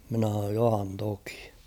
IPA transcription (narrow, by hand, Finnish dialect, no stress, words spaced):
minæ h̞ɑn̞oːj johɑn toki̥